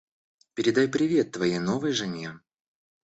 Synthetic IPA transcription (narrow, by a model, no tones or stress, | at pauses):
pʲɪɾʲɪd̪ajpɾʲɪvʲe̞t̪ːvɐjejno̞vɨjʐɨnʲje